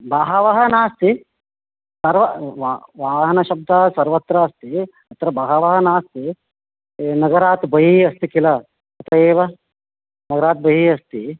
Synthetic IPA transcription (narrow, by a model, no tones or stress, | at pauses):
baːɦɐʋɐɦɐnaːst̪i | sɐɾʋɐʋaʋaːɦɐnɐʃɐb̚d̪ʱɐsɐɾʋɐt̪ɾɐːst̪i | ɐt̪ɾɐbɐɦɐʋɐɦɐnaːst̪i | nɐɡɐɾaːt̪bɐɦiɐst̪ikilɐ | ɐt̪ɐeːʋɐ | nɐɡɐɾaːt̪̚bɐɦiɐst̪i